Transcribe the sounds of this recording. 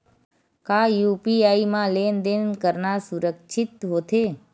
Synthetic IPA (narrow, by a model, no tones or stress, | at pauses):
kajupiaimãlend̪enkəɾnasuɾəkʃʰit̪ɦot̪ʰe